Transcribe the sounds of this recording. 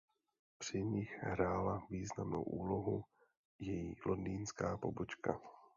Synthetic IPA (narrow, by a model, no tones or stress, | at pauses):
pr̝̥ɪɲɪxɦɾaːlaviːznamno̰wʔuːlo̞ɦu | jɛjiːlʔondiːnskaːpo̞bot͡ʃka̰